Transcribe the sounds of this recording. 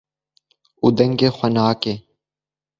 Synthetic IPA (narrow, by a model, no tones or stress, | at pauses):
ud̪ɐŋɡeːxʷɐnaːkeː